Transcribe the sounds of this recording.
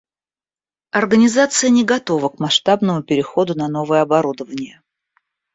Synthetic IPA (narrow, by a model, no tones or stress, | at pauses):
ɐrɡənʲɪzat̪sɨjənʲɪɡɐt̪o̞vəkmɐʂt̪abnəmʊpʲɪɾʲɪxo̞d̪ʊnɐno̞vəjəɐbɐɾud̪əvənʲɪjə